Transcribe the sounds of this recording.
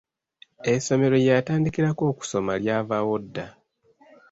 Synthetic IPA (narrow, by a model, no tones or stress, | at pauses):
eso̞me̞ɾo̞jataːndikiɾako̞ːku̥so̞maljaːvawo̞dːa